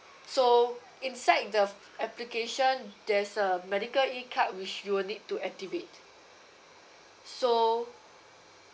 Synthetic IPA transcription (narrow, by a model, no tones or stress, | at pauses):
so | ĩnsaɪt̚də | ɛplikeʃɔ̃ndɛsəmɛɾikəlikʰat̚wit͡ʃjuwnid̚tːuɛk̚tivet | so